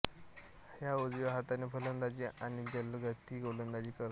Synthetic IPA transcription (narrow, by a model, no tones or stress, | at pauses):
hjaəd͡zʋaɦat̪anefʰələnd̪at͡ɕiːʔañid͡ʑəlɡət̪iːɡolənd̪ad͡ʑiːkəɾ